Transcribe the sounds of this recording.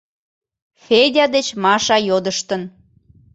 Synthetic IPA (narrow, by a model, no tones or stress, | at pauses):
fedʲɑd̪et͡ɕmɑʃɑjod̪əʃt̪ən